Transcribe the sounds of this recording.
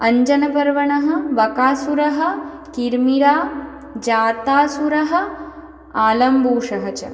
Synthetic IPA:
ɐɲd͡ʒɐnɐpɐɾʋɐɳɐɦɐ̆ʋɐkaːsuɾɐɦɐ̆ | kiɾmiɾaː | d͡ʒaːt̪aːsuɾɐɦɐ̆ | aːlɐmbuːʂɐɦɐt͡ʃɐ̰

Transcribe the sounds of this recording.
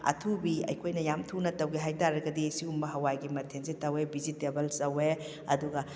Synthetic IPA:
ɐ̰tʰubiɐ̰jkʰojnɐjamtʰunɐtɐwɡiɦajtaɾɐɡɐdisiumbɐɦɐwajɡimɐtʰensetɐwebizitebɐlsɐwe | ɐduɡɐ

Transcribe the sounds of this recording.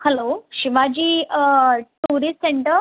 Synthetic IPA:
hɛloɕiʋad͡ʑiː | ʈuɾisʈseɳʈəɾ

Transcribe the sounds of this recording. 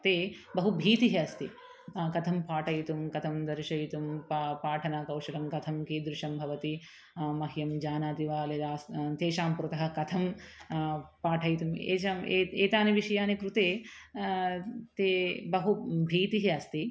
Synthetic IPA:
t̪eːbɐɦubʱiːt̪iɦeɐst̪i | kɐt̪ʰɐmpaːʈʰɐjt̪umkɐt̪ʰɐmd̪ɐɾʃɐjit̪umppaːʈʰɐnaːkɐwʂɐlɐmɡɐt̪ʰɐmkiːd̪ɾuʂɐmbʱɐʋɐt̪i | mɐɦijɐmd͡ʒaːnaːt̪iʋaːled̪aːst̪eːʃaːmpɾut̪ɐɦɐ̆kɐt̪ʰɐm | paːʈʰɐjt̪umḛːt͡ʃameeːt̪aːniʋiʂɐjaːnikɾut̪eː | t̪eːbɐɦubʱiːt̪iɦeɐst̪i

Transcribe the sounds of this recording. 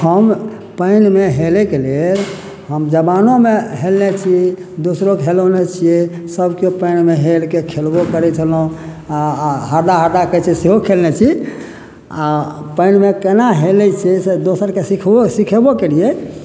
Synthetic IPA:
həm | pəɪnmeɦelɛkeleɾ | ɦəmd͡ʒəbanomeɦelnet͡ʃʰi | d̪osɾokɦelonet͡ʃʰie | səbkopəɪnmeɦelkekʰelbokəɾɛt͡ʃʰəlũ | aɦəɾd̪aɦəɾd̪akət͡ʃʰiseɦokʰelnɛt͡ʃʰi | apəɪnmekənaɦelɛt͡ʃʰised̪osəɾkesikʰsikʰəbokelije

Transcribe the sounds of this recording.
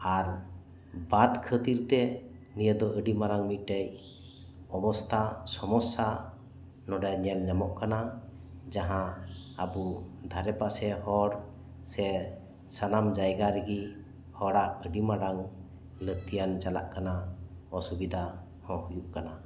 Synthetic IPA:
aɾ | bad̪kʰət̪iɾt̪ɛ | nijəd̪ɔʔəɖimaɾaŋmiʈəj | ɔbɔst̪ʰasɔmɔsa | nɔɖajɲɛlɲamɔʔkana | d͡ʒaɦãəbud̪ʱaɾɛpasɛhɔɽ | sɛ | sanamd͡ʒajɡaɾiɡi | hɔɽaʔəɖimaɾaŋ | lət̪ijand͡ʒala̰ʔkanaɔsubid̪ʱa | hɔ̃hujuʔkana

